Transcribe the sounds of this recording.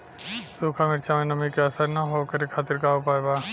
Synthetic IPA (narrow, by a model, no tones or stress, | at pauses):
suːkʰamɪɾt͡ʃʰamẽnɐmikeɐsəɾnaɦoːkɐɾekʰaːt̪ɪɾkaːopaːbaː